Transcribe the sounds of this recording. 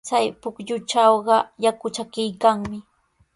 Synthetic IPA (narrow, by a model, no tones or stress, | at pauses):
t͡sajpʊkʎʊt͡ʃawɢɑjakʊt͡ʃakɪjkaŋmɪ